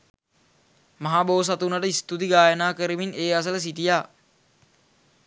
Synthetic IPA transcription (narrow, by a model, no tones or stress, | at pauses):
maɦaːboːs̬at̪unaʈəist̪ut̪iɡaːjənaːkəɾimineːas̬ələs̬itijaː